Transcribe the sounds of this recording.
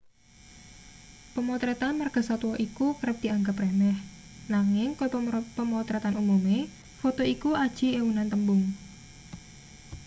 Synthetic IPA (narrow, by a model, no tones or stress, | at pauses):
pəmot̪ɾɛt̪anmərɡ̥ə̤sat̪uwɔʔikukəɾəp̚d̪̥i̤aŋɡəpremɛh | naŋɪŋkpəmɔt̪ɾɛt̪anumume | fot̪oikuad̥ʒ̥i̤ewunant̪əmbʊŋ